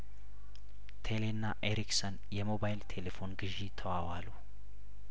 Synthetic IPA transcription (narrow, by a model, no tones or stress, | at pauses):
t̪ʰelenːaʔeɾiksən | jɛmo̞bajlt̪ʰelefo̞nɡɨʒit̪ʰəwawalu